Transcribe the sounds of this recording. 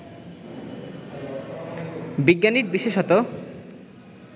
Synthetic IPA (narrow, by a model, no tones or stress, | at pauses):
biɡːaniɾbiʃeʃɔt̪o